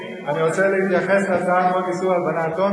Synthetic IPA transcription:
aniʁo̞t͡selehit̪jaχe̞slad̪anmotisualbanat̪o

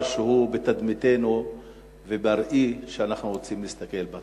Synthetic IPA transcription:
ʃeɦubet̪ad̪mit̪enu | ve̞baɾʔiʃeanaχnuʁo̞t͡simlist̪ake̞lba

